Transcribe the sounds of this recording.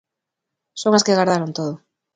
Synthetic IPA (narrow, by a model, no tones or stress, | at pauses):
soŋaskeɣaɾðaɾont̪oðʊ